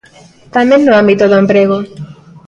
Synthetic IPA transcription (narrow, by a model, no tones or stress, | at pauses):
t̪amẽnːoãmbit̪oðoempɾeɣo